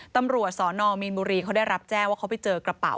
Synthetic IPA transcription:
t̪a˧mɾu˨˩ət̪̚sɔː˩˦nɔː˧mi˧nbuː˧ɾiː˧kʰa˦˥wda˥˩jɾa˦˥p̚t͡ɕɛː˥˩ŋwaː˥˩kʰa˦˥wpa˨˩jt͡ɕɤː˧kɾa˧pa̰˨˩w

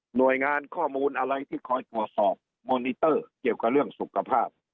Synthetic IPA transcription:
nu˨˩əjŋaː˧nkʰɔː˥˩muː˧nʔa˧wɾa˧jt̪ʰiː˥˩kʰɔː˧˥jt̪u˨˩ət̪̚sɔː˨˩p̚ | moː˧ni˧t̪ɤː˥˩ki˨˩əwka˧˩p̚ɾɯ˥˩əŋsu˨˩kʰa˧pʰaː˥˩p̚

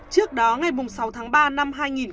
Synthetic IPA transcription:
t͡ɕɨ˦˥ək̚ɗɔ˨˦ŋa˨˩jmʊ˨˩ŋ͡msa˨˦wt̪ʰaː˨˦ŋɓaː˧na˧mɦaː˧jŋi˨˩n

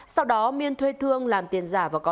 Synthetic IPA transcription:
sa˧wɗɔ˨˦mi˧ənt̪ʰwe˧t̪ʰɨ˧əŋlaː˨˩mt̪i˨˩ənzaː˧˩vaː˨˩kɔ˨˦

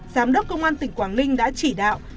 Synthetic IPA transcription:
zaː˨˦mɗə˦˥k͡p̚kə˧wŋ͡mʔaː˧nt̪ï˨˩ŋ̟kwaː˨˩nlï˧ŋ̟ɗa̰ː˧˥t͡ɕi˧˩ɗa̰ː˧˨wʔ

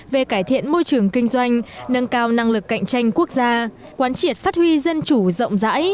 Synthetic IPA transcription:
ve˨˩kaː˧˩jt̪ʰḭ˧˨ənmo˧jt͡ɕɨ˨˩əŋkï˧ŋ̟zwa˧jŋ̟nə˧nkaː˧wna˧ŋlɨ˨˩kːa̰˧˨jŋ̟t͡ɕa˧jŋ̟ku˦˥ək̚zaː˧ | kwaː˨˦nt͡ɕi˧˩ət̚faː˦˥t̚hwi˧zə˧nt͡ɕu˧˩zə̰˧˨wŋ͡mza̰ː˧˥j

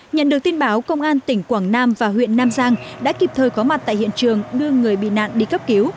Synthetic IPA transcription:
ɲə̰˧˨nɗɨ˨˩ək̚t̪i˧nɓaː˨˦wkə˧wŋ͡mʔaː˧nt̪ï˧˩ŋ̟kwaː˧˩ŋnaː˧mvaː˨˩ɦwḭ˧˨ənːaː˧mzaː˧ŋɗa̰ː˧˥ki˨˩p̚t̪ʰəː˨˩jkɔ˨˦ma˨˩t̪a̰ː˧˨hḭ˧˨ənt͡ɕɨ˨˩əŋɗɨ˧əŋɨ˨˩əjɓḭ˧˨na̰ː˧˨nɗḭ˧˨kə˦˥p̚ki˨˦w

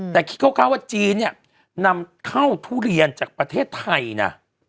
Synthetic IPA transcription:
t̪ɛː˨˩kʰi̥˧t̪̚kʰkʰaː˧˩˨waː˧˩t͡ɕiː˧nːi˧˩ɐ | na˧mtʰa˧˥˩wt̪ʰuː˧˩li˧˨ənt͡ɕaː˨˩k̚pɾa˧t̪ʰeː˥˩t̪ʰːa˧jna̰˧˩

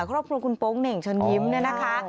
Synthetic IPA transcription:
kʰɾɔː˥˩p̚kʰɾu˧əkʰu˧npo˦˥ŋne˨˩ŋt͡ɕʰo˧nji˦˥mnaː˦˥˩na˦˥kʰa˦˥

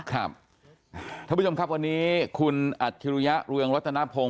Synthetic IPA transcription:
kʰɾa˦˥˩p̪̚ʰ | aː˧˦˥t͡ɕo˧mkʰa˦˥p̚wa˧nːiː˦˥kʰu˧nʔa˨˩t̪̚ʰːi˧ɾu˧ja˦˥ʔɾɯ˧əŋɾa˦˥t̪ʰːa˧na˦˥pʰo˧

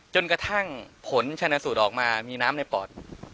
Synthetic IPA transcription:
t͡ɕo˧nka˧t̪ʰa˥˩ŋpʰo˩˦nt͡ɕʰa˧na˧suː˨˩t̪̚ɔː˨˩k̚maː˧miː˧naː˦˥mna˧jpɔː˨˩t̪̚

